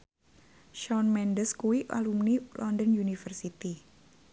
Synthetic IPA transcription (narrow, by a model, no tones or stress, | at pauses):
ʃɔnmɛndəskuwiʔa̰lumnilʔɔndənjunifərsit̪i